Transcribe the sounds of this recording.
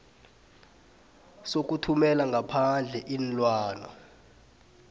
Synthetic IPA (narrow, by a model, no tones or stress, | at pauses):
sok̬utʰumɛlaŋɡʱapʰand͡ɮʱɛʔinlwaːna̰